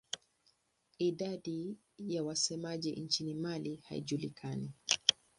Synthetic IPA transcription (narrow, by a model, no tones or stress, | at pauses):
iɗaɗi | jawasɛmaʄint͡ʃinimaliha̰ḭʄulikʰani